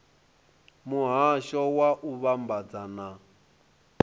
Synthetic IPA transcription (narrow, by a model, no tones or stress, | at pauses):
muɦaʃɔwaʔuβambad͡zana